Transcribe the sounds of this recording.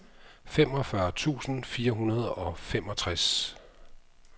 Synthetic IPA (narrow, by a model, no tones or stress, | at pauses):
fem̰ɒ̽fɶɐt͡sʰṵːsn̩fiːɐɦunɐð̞ˠɒ̽fem̰ɒ̽t͡sʰʁas